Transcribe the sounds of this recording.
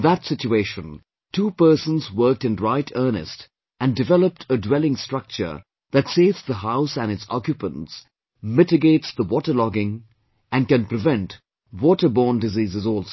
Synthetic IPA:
ðətsɪt͡ʃueɪʃə̃n | tʰuːpɜ˞sə̃nzwɜ˞k̚tɨ̃nɹaɪtʰɜ˞nɨ̰st | ʔɨ̃ndɨvɛləp̚tʰədwɛlˠɪ̃ŋstɹ̥ʌk̚t͡ʃə̰˞ | ðɨtseɪvsðəɦaʊsæ̃nɨtsɑ̰kjɨpə̰̃nts | mɪtɨɡeɪtsðəwɔtə˞lɔɡɪ̃ŋ | ɨ̃nkɨ̃npɹɨvɛ̃nt | wɔtə˞bɔːndɨziːzɨzɔlˠ

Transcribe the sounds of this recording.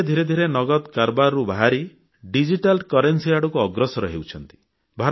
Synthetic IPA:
d̪ʱiɾed̪ʱiɾenɔɡɔd̪kaɾbaɾɾubaɦaɾi | ɖid͡ʒiʈalkɔɾensiaɽukuɔɡɾɔsɔɾɔɦewt͡ʃʰɔnt̪i̥ | bʱaɾ

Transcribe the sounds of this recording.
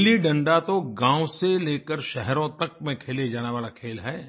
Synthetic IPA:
liɖɐ̃ɳɖat̪oɡãːũseleːkəɾʃɛɦɾõt̪ɐk̚mẽkʰeːled͡ʒaːneʋaːlakʰeːlɦɛː

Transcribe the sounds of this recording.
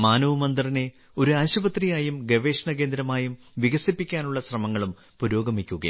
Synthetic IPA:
maːnɐʋumɐnd̪rine̞ | o̞ɾuaːɕɐʋɐt̪rijaːjumɡeʋe̞ːʂɐɳɐke̞ːnd̪ɾɐmaːjum | ʋiɣɐsipːikʲːaːnuɭːɐɕrɐmɐŋːɐɭum | puɾo̞ːɡɐmikʲːuɣɐ̰

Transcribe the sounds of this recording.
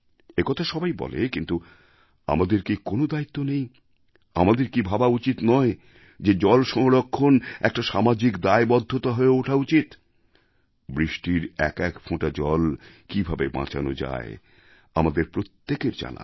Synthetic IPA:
ekɔt̪ʰaʃɔbajbɔ̰lḛkint̪u | a̰mad̪eɾkikonod̪ait̪ːonej̃ | a̰mad̪eɾkibʱabaut͡ɕit̪nɔe | d͡ʑed͡ʑɔlʃɔŋɾokʰːonɛk̚ʈaʃamad͡ʑikd̪aebɔd̪ʱːot̪aɦoeoʈʰaut͡ɕit̪ | bɾiʃʈiɾɛ̰kɛkfʰõʈad͡ʑɔl | kibʱabebã̰t͡ɕʰa̰no̰d͡ʑa̰e | amad̪eɾpɾot̪ːekeɾd͡ʑa̰na̰

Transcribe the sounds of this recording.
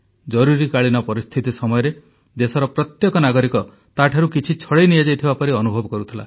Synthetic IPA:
d͡ʒɔɾuɾikaɭinɔpɔɾist̪ʰit̪isɔmɔjɔɾe | d̪esɔɾɔpɾɔt̪jɔkɔnaɡɔɾikɔ | t̪aʈʰaɾukit͡ʃʰit͡ʃʰɔɽejnijad͡ʒajt̪ʰibapɔɾiɔnubʱɔbɔkɔɾut̪ʰila̰

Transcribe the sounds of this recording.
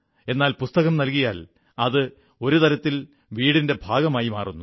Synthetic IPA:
e̞nːaːlpust̪ɐɣɐmnɐlkijaːl | ɐðɨ | o̞ɾut̪ɐɾɐt̪ːil | ʋiːɽinde̞bʱaːɡɐmaːjimaːrunːu

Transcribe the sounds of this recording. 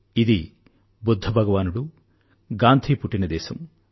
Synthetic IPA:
id̪i | bud̪ʱːɐbʱɐɡɐʋaːnuɽu | ɡaːnt̪ʰipuʈːinɐd̪ɛːsɐm

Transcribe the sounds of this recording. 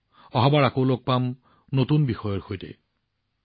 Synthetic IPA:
ɔɦɔbaɹakowlok̚pam | notunbixɔjɔɹxojtɛ̰

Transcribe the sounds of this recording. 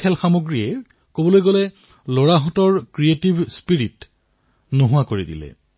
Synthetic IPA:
kʰɛlxamoɡɹijɛ | kobɔlojɡolɛ | loɹaɦɔtɔɹkɹietibʱspiɹit | noɦʊwakoɹidḭlɛ̰

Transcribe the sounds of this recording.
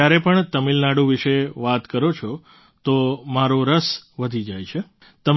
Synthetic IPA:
aɾepəɳt̪əmilnaɽũʋɪʃeʋat̪kəɾot͡ʃʰo | t̪omaɾoɾəsʋəd̪ʱid͡ʒajt͡ʃʰe | t̪əm

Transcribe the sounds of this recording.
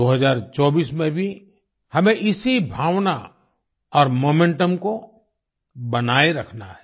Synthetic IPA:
oːɦɐzaːɾt͡ʃɔːbiːsmẽbʱi | hɐmẽʔɪsibʱaːʋna | ɔːɾmoːmẽɳʈəmko | bɐnaːeɾɐkʰnaɦɛː

